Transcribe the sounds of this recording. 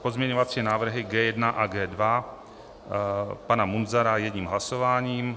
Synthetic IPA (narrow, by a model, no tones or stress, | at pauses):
po̞zmɲɛɲovat͡siːnaːvr̩ɦɪɡɛːjɛdnaʔaɡɛːdva | panamunzaɾajɛdɲiːmɦlasovaːɲiːm